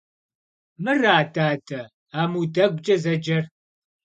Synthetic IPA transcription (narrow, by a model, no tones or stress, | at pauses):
mɨraːdaːdɐ | aːmuːdɐɡʷʼt͡ʃʼɐzɐd͡ʒɐr